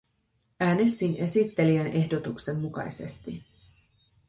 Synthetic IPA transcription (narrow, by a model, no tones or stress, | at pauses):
æːne̞st̪inʔe̞sit̪ːe̞liænʔe̞hdo̞t̪ukse̞mːukɑ̰jse̞st̪i